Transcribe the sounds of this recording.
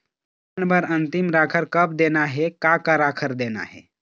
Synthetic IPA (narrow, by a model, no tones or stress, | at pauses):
ɳbəɾənt̪imɾakʰəɾkəp̚d̪enaɦekakaɾakʰəɾd̪ena̰ɦḛ